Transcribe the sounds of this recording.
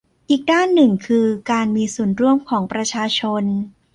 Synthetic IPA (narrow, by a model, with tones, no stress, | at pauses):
ʔiː˨˩k̚daː˥˩nːɯ˨˩ŋkʰɯː˧kaː˧nmiː˧su˨˩ənɾu˥˩əmkʰɔː˩˦ŋpɾa˧t͡ɕʰaː˧t͡ɕʰo˧n